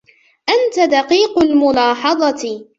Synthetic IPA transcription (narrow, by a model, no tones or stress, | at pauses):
ʔant̪ad̪ɑqiːqʊlmʊlɑːħɑðˤɑt̪